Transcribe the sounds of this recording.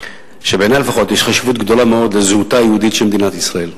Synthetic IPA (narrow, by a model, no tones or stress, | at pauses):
ʃebeːnajlefaχo̞t̪jeʃχaʃivut̪ɡd̪o̞lameo̞d̪lezhut̪ajehud̪it̪ʃelmed̪inat̪isʁae̞l